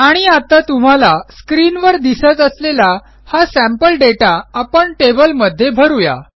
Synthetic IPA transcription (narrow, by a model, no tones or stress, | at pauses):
aɽ̃iat̪at̪um̤alaskɾinʋəɾd̪isət͡səslela | hasæ̃mpəlɖeʈaapəɳʈebəlməd̪ʱːjebʱəɾuja̰